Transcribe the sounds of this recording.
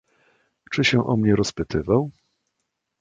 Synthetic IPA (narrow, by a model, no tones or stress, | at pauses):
t͡ʂɘɕɛʔɔ̰mɲɛɾɔspɘt̪ʰɘvaw